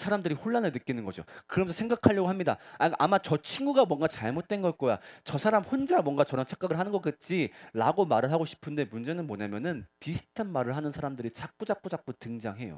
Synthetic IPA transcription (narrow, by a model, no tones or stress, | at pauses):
sʰaɾamdɯɾihoɭːanɯɭnɯk͈inɯnɡʌd͡ʑo̰kɯɾʌmesʰsʰe̞ŋɡakʰaʎːʌɡoɦamɲida̰akʔamat͡ɕʌt͡ɕʰiŋɡuɡamwʌŋɡat͡ɕaɭmot̚t͈we̞nɡʌk͈oja̰t͡ɕʌsʰaɾamhond͡ʑamwʌŋɡat͡ɕʌɾʌnt͡ɕʰḁk͈aɡɯɭɦanɯnɡʌk͈ɯt̚t͡ɕ͈iɾaɡomaɾɯɭɦaɡoɕʰi̥pʰɯnde̞mund͡ʑe̞nɯnmoɲamjʌnɯntisʰɯ̥tʰanmaɾɯɭɦanɯnsʰaɾamdɯɾit͡ɕʰak̚k͈ud͡ʑak̚k͈od͡ʑak̚k͈otɯŋd͡ʑaŋɦe̞jo̰